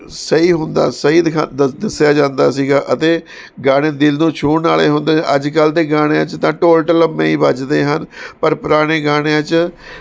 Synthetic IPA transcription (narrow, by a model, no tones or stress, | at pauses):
səiːɦʊnd̪a̰ːsəɦiːd̪ɪkʰad̪ɪsjaːd͡ʒãːnd̪aːsiːɡaːʔət̪eː | ɡaːɽ̃eːd̪ɪlnũːt͡ʃʰuːɳnaːleːɦʊnd̪ãːʔəd͡ʒkəlt̪eːɡaːɽ̃ẽːt͡ʃt̪ãːʈoːlʈələmːẽːiːbəd͡ʒd̪eːɦənpəɾpʊɾaːɽ̃eːɡaːɽ̃et͡ʃ